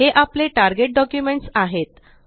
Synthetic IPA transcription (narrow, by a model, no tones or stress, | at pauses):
ɦeʔapleʈaɾɡeʈ̚ɖɔkjumeɳʈsaɦet̪